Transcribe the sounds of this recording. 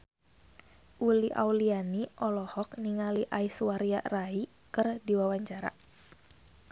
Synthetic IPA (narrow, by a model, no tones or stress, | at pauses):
ʔuliʔa̰wlianiʔɔlɔhɔk̚niŋaliʔaiswaɾiaʔrai | kɨrdiwawaɲt͡ʃaɾa̰